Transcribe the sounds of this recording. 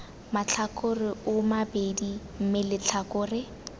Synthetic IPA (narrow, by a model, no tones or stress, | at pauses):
mat͡ɬʰakʊrɪʊmabedi | m̩mɪlɪt͡ɬʰakʼʊːrɪ